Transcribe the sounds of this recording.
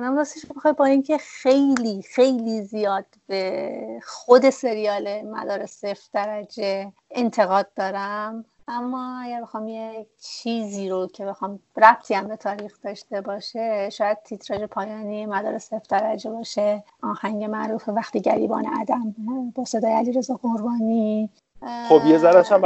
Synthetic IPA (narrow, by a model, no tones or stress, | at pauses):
namɾuːsiʃmexɒːj̚bɒːincʰe̞xe̞jliːxe̞jliːzijɒːd̪̥b̥exod̪e̞se̞ɾijɒːle̞mæ̰d̪ɒːɾesefd̪̥æɾæd͡ʒe̞ | ent̪ʰe̞ɣɒːd̪̚ːɒːɾæm | ʔæmːɒːæɟæɾbe̞xɒːmjet͡ʃʰiːziːɾocʰe̞be̞xɒːmræb̥̚t̪ʰiːæmbe̞t̪ʰɒːɾiːxd̪̥ɒːʃt̪e̞bɒːʃeʃɒːjæd̪̥̚t̪ʰit̪ʰɾɒːd͡ʒe̞pʰɒːjɒːniːemæd̪ɒ̰ːɾesefd̪̥æɾæd͡ʒebɒːʃeʔɒːhæɲɟe̞mæʔɾuːfevæxt̪iːɟæɾḭːbɒ̰ːnḛʔæ̰d̪æmbɒːse̞d̪ɒːjeæliɾe̞zɒːɡoɾbɒːniː | xobjezæɾæʃæm